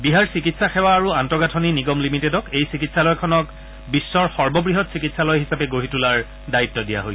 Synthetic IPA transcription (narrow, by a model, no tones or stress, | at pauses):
biɦaɹsikitsaxɛwaːɹuantɔɡatʰɔniniɡɔmlimitedɔkejsikitsalɔjkʰɔnɔk | bisːɔɹxɔɹbɔbɹiɦɔtsikitsalɔjɦisapɛɡoɦitulaɹ | daitːɔdija̰ɦoj